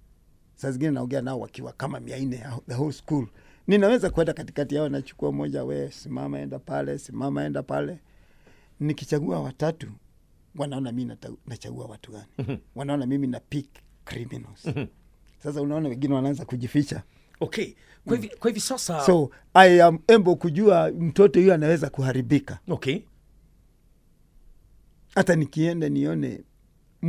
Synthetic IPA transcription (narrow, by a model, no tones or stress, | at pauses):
sasazĩŋɡinɛnaɔŋɡɛanaɔwa̰kiwa̰kamamiainɛjaðəɦɔlskulninawɛzakuwɛndakati̥katijaɔnat͡ʃu̥kuamɔʄawɛsima̰maɛ̰ndapalɛsimamaɛndapalɛ | nikit͡ʃaɡuawatatu | wanaɔnaminanat͡ʃa̰ɡṵa̰watuɡaniwanaɔnamiminapikːɾimḭna̰s | sas̬aunaɔnawɛŋɡinɛwanaanzakuʄifit͡ʃa | ɔkɛ | kwaivikwahivisasasɔ | aɛaɛmbɔkuʄuam̩tɔtɔhujɔanawɛzakuhaɾiɓikaɔkɛ | hatanikiɛndɛniɔnɛ̰